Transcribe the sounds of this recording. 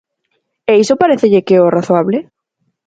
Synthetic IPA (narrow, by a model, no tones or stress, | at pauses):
ɛisopaɾeθeʎɪkeoraθoaβle